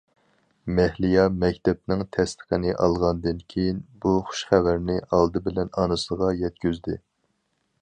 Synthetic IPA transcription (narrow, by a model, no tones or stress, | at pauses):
mɛhlijɑmɛkʲt̪ʰɛp̚nɪŋt̪ʰɛst̪ʰə̥qənɪʔɑlˠʁɑnd̪ɨnkʲʰejinbuχʊ̥ʃχævæɾnɪʔɑlˠd̪ɨbɪlɛnɑnɨsəʁɑjɛt̪̚kʲyzd̪ɪ